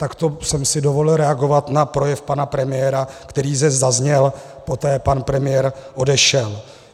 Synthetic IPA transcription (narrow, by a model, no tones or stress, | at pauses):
t̪akt̪o̞sɛmsɪdo̞vo̞lɪlɾɛaɡo̞vat̪napɾo̞jɛfpanapɾɛmɪjɛːɾakt̪ɛɾiːzɛzazɲɛl | po̞t̪ɛːpanpɾɛmɪjɛɾʔo̞dɛʃɛl